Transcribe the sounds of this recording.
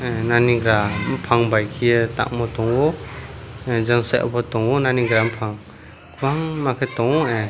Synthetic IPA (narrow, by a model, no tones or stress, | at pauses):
naniɡɾampʰaŋbajkʰijɯta̰k̚mɔtɔŋɔ | d͡ʒaŋsaʔɔ̰pʰɔtɔŋɔnaniɡɾampʰaŋ | kʰwaŋmakʰetɔŋɔe